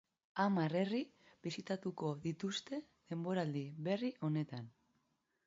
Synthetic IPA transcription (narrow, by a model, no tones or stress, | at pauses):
amare̞ribisit̪at̪uko̞ðit̪ust̪e̞ | ðe̞mbo̞ɾald̪iβe̞riʔo̞ne̞t̪an